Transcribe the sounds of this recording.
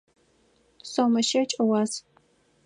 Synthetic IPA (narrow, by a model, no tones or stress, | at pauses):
somɐʃɐt͡ʃʼɐwɑːz